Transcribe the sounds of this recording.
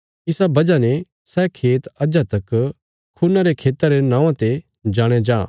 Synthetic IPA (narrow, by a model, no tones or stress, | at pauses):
ɪsabɐd͡ʒane | sɛːkʰeːt̪ɐd͡ʒat̪ɐk | kʰunaɾekʰeːt̪ɐɾenãːʋãt̪e | d͡ʒaːɽ̃ed͡ʒaː